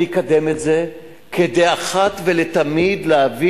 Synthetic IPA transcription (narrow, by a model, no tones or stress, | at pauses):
ikad̪emetze̞ | ked̪ejaχat̪vele̞t̪amid̪leavi